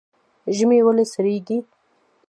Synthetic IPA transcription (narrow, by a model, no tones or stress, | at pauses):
ʒmewəlesaɾeɡi